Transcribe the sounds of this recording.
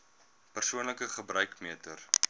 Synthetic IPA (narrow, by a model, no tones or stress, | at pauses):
pərsuənləkəχəbrœɥkmiətər